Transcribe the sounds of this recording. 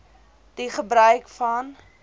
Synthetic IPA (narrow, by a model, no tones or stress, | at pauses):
d̥iχəbɾœɥkfɐn